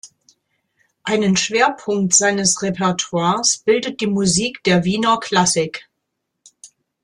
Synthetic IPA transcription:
ʔaɪnənʃv̥eːɐpʰʊŋk̚tz̥aɪnəsʁepʰɛɐtʰwaːɐsb̥ɪldət̚d̥iːmuziːkd̥eːɐviːnɐkʰl̥asɪk

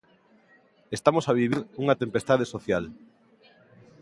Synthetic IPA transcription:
est̪amosaβ̞iβ̞iɾuŋat̪empest̪að̞esoθjal

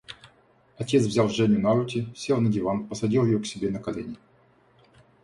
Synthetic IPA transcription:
ɐtʲet̪svzʲalˠʐɛnʲʊnaɾutʲɪsʲelˠnədʲɪvanpəsɐdʲilˠjɪjoksʲɪbʲenəkɐlʲḛnʲɪ

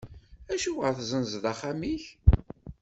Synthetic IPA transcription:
æʃuwəɾθzənzðæχamiç

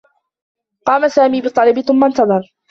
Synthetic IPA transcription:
qɑːmasaːmiːbɨt̪ˤːɑlɪbɪθʊmːant̪ɑðˤɑɾˤ

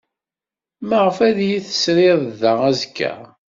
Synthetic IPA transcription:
məʁəfæðjiθə̥sɾɪðˤðææzkʰːæ̰

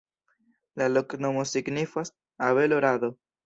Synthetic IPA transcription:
laloknomosiɡnifas | aβeloɾaðo

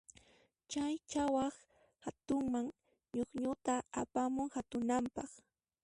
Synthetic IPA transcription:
t͡ʃajt͡ʃawɑχ | hat̪ʊŋmaŋ | ɲoχɲʊt̪aapamʊŋhat̪ʊnampɑχ

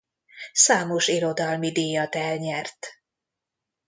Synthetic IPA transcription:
saːmo̞ʃiɾo̞d̪ɒlmid̪iːjɒt̪ɛlɲɛrt̪

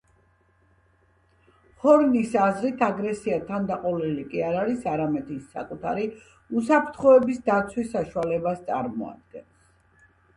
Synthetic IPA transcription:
hɔɾnisazɾit̪ʰaɡɾɛsiat̪ʰand̪aqʼɔlilikʼiaɾaɾisaɾamɛd̪isːa̰kʼut̪ʰaɾi | usapʰɾt̪ʰχɔɛbisd̪at̪sʰwisːaʃualɛbast̪sʼa̰ɾmɔ̰a̰d̪̚ɡɛns

